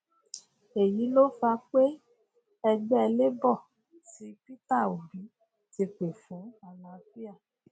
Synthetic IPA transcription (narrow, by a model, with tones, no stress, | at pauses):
e˨ji˨˦lo˦fa˧k͡pe˦ | ɛ˧ɡ͡bɛ˦ɛ˧le˦bɔ˦˨ | ti˨˦pi˦ta˦˨o˨bi˨˦ | ti˧k͡pe˨fũ˨˦a˨lã˨fi˦a˦˨